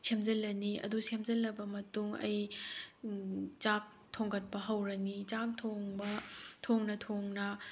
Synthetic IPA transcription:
sʰemzɐlːɐniɐ̰dusʰemzɐlːɐbɐmɐtuŋɐ̰j | t͡ʃak̚ | tʰoŋɡɐt̚pɐɦɐwɾɐnit͡ʃak̚tʰoŋbɐtʰoŋnɐtʰoŋnɐ

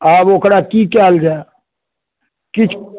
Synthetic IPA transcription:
aːboːkɾakikɛːld͡ʒae | kɪt͡ʃʰ

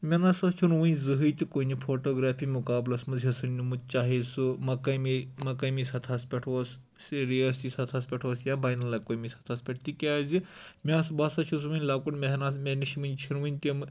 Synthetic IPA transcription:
mʲɐnaːsɐt͡ʃʰunʋɨnʲzɨɦɨjt̪ʲikonipʰoːʈoːɡɾaːpʰiːmukaːblɐsmɐzɦɐsɨnnumɨt̪̚t͡ʃaːɦesɨmɐkɐmimɐkɐjmisɐt̪ʰaspʲeʈʰos | siɾiɐst̪isɐt̪ʰaːspʲeʈʰwosjãːbaːjnɐlːɐkoːmisɐ̥t̪ʰaːspʲeʈ̚ʰt̪ikʲaːzimʲaːsbasɐt͡ʃʰus̬ʋɨnʲlaːkunmʲeɦʲnasmʲeɦniʃimɨnʲt͡ʃʰinʋɨnʲt̪emɨ

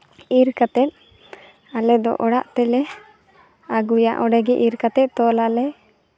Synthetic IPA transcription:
iɾkat̪ɛt̪̚ | alɛd̪ɔ̰ʔɔɽaʔt̪ɛlɛ | aɡuja̰ʔɔɽɛɡɛʔiɾkat̪ɛt̪̚ˀt̪ɔlalɛ

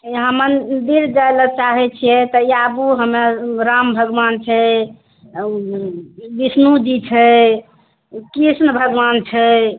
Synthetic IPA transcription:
ɦəmənd̪iɾd͡ʒaelət͡ʃaɦɛt͡ʃʰijɛt̪əiabuɦəmeɾambʱəɡʋant͡ʃʰɛ | ʋisnud͡ʒit͡ʃʰɛ | kɾisnəbʱəɡʋant͡ʃʰɛ

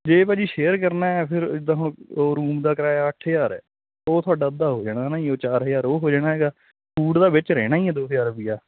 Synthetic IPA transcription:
d͡ʒeːpaːd͡ʒiːʃeːɾkəɾnaːɛːpʰɪɾd̪aːɦõːoːɾuːmd̪aːkɾaːaːəʈʰːjaːɾɛ̰ː | oːt̪ʰʊaːɖaːəd̪ːaːɦoːd͡ʒaːɽaːnaːɦĩːoːt͡ʃaːɾɦjaːɾoːɦoːd͡ʒaːɽ̃aːɦɛːɡaː | pʰuːɖd̪aːbɪt͡ʃɾɛ̰ːñaːɦĩːɛːd̪oːsjaːɾbijaː

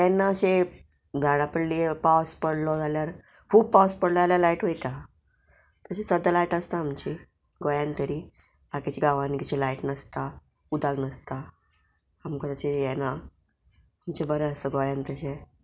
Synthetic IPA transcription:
jɛnːaəɕe | ɡ̪ʱaɽapəɽliepawspəɽlɔd͡zʱaljaɾ | fupaspəɽləd͡zaljalaiʈʋejt̪a | t̪əɕesəd̪ʱəlajʈəst̪aːmt͡ɕe | ɡojant̪əɾiː | bakit͡ɕeɡaʋankit͡ɕelaiʈnəst̪a | ud̪ʱaɡnəst̪a | amkɔt̪ət͡ɕejɛnaː | mt͡ɕebəɾɛəsəɡojant̪əɕe

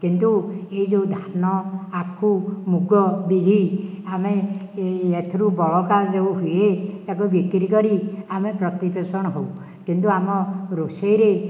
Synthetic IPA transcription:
kint̪ueɦid͡ʒewd̪ʱanɔakʰumuɡɔbiɡʱiame | et̪ʰiɾubɔɭɔkad͡ʒeuɦuet̪akubikɾikɔɾiamepɾɔt̪ipesɔɽ̃ɔɦow | kint̪uamɔɾosejɾe

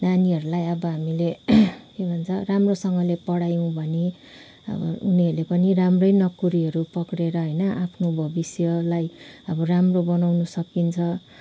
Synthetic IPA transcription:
naniɦʌɾulajʌbʌɦamilekebʱʌnt͡sʰʌramrosʌŋɡʌlepʌɽajũbʱʌne | ʌ̰bʌ̰uniɦʌrlepʌniramrʌjnʌkuɾiɦʌɾupʌkɽeɾʌɦʌjnʌʔapʰnobʱʌbisjʌlajʌbʌramrobʌnawnusʌkint͡sʰʌ

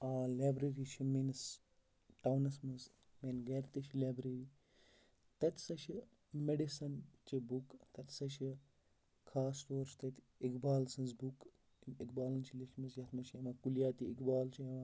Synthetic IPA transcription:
aːlaːbɾeɾit͡ʃʰimens | ʈɐwnɐsmɐz | meːnɡɐɾt̪it͡ʃʰlaːbɾeɾi | t̪ɐt̪ʲʰsɐt͡ʃʰi | meɖisɐnt͡ʃibukt̪ɐt̪ʲʰsɐt͡ʃʰi | kʰaːsʈoːɾst̪ɐt̪ʲ | ikbaːlsɐnzbuk | ikbaːlɐnt͡ʃʰiliʃmɐzjɐt̪ʰmɐʃʰɐmɐkuljaːt̪iikbaːlt͡ʃʰiɐʋa

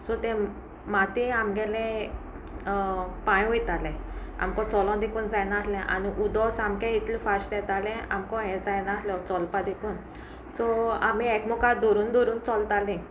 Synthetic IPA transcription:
sɔt̪ɛ̃ | mat̪ĩamɡɛlɛ̃ | pãjʋjt̪alɛ̃a̰mkɔ̃t͡sɔlɔ̃d̪ekuːnd͡zajnaaslɛ̃ʔaniʔud̪ɔsamkɛ̃it̪ʰlifasʈɛt̪alɛ̃a̰mkɔ̃ɦɛd͡zajnaasljɔt͡sɔlpad̪ekuːn | sɔa̰miɛkmɔkad̪ɔɾuːnd̪ɔɾuːnt͡sɔlt̪alẽ

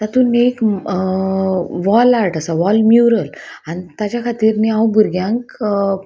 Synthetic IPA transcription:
t̪at̪ũnek | ʋɔlaɾʈəsaʋɔlmjuɾəlanit̪at͡ɕjakʰat̪iːɾniãwbʱuɾɡjãŋk

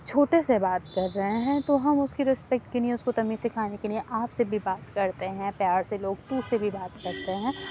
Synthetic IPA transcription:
t͡ʃʰoːʈesebaːt̪kɐɾːɐɦeɦɛ̃t̪oɦɐmʊskiɾɪspɛk̚ʈkelieʊskot̪ɐmisɪkʰaːnekelieʔaːpsebʱibaːt̪kɐɾt̪eɦɛ̃pjaːɾseloːɡ̚t̪usebʱibaːt̪kɐɾt̪eɦɛ̃ː

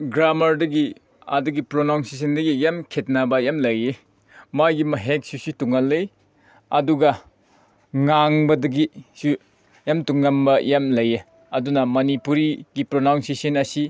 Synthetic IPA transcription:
ɡɾamɐɾdɐɡi | a̰duɡipɾonawŋses̬ɐndɐɡijamkʰet̚nabɐjamlɐje | majɡimɐɦek̚susituŋalːɯj | ɐduɡɐ | ŋaŋbɐdɐɡisu | jamtuŋːambɐjamlɐje | ɐdunɐmɐnipuɾiɡipɾonawŋsesɐnɐsi

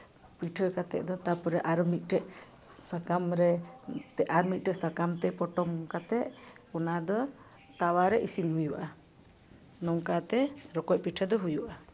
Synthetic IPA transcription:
piʈʰəkat̪ɛ̰ʔd̪ɔt̪apɔɾɛʔaɾmit̪̚ˀʈɛʔ | sakamɾɛt̪ɛʔaɾmit̪̚ˀʈɛsakamt̪ɛpɔʈɔmkat̪ɛʔɔnad̪ɔ | t̪awaɾɛʔisinɦujuʔa | nɔwkat̪ɛɾɔkɔc̚piʈʰəd̪ɔɦujuʔʔa

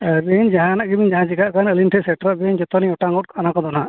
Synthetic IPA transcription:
beɲd͡ʒaɦãnaʔɡibiɲd͡ʒaɦãt͡ʃikaʔkanəlinʈʰɛsɛʈɾɔʔbɛɲd͡ʒɔt̪ɔniɔʈaŋɡɔʈ̚kɔanãkɔd̪ɔnaʔ

